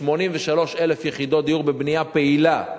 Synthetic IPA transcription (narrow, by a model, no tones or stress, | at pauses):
mo̞nimveʃalo̞ʃele̞fjeχid̪o̞t̪̚d̪ijuʁbebniapeila